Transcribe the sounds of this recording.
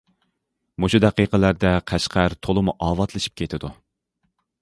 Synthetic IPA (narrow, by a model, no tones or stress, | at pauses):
muʃud̪æqiqəlæɾd̪ɛqʰæʃqʰæɾt̪ʰolˠɨmuʔɑːvɑt̪lˠɨʃi̥p̚kʲʰet̪ʰɪd̪u